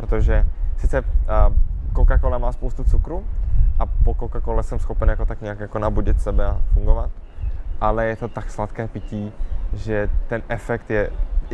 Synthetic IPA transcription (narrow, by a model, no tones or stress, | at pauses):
pɾot̪oʒɛsɪt͡sɛ | kokakolɛmaːspowst̪ut͡sukɾuʔapokokakolɛsɛmsxo̞pɛnjakot̪akɲɛakjako̞nabuɟɪt̪sɛbɛafuŋɡovat̪ʔalɛjɛt̪o̞t̪akslat̪kɛːpɪciːʒɛt̪ɛnʔɛfɛkt̪jɛ